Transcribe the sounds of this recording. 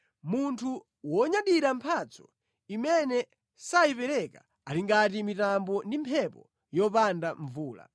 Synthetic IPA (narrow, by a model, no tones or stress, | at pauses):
muntʰu | wɔɲaɗiɾampʰat͡sɔ̥ | imɛnɛ | saipɛɾɛka | aliŋɡatimitambɔndimpʰɛpɔ̰ | jɔpandaɱvuːla̰